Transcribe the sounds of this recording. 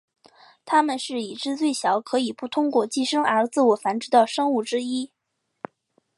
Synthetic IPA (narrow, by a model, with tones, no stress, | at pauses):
t̪ʰa˥mə˨nʂɻ̩˥˩i˨˩ʈ͡ʂɻ̩˥˧t͡swe˥˩ɪɕjɑ˧˥ʊkʰɤ˧˥i˨˩pu˥˩t̪ʰʊ˥ŋkwɔ˥˧t͡ɕi˥ʂɤ˥ŋə˞˧˥t͡sɹ̩˥˩wɔ˨˩fa˧˥nʈ͡ʂɻ̩˧˥t̪ɑ˥˩ʊʂɤ˥ŋu˥˩ʈ͡ʂɻ̩˥i˥